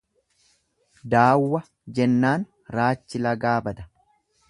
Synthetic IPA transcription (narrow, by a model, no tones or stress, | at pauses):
d̪aːwːɐ | d͡ʒɛnːaːn | ɾaːt͡ʃːɪlɐɡaːbɐd̪ɐ̥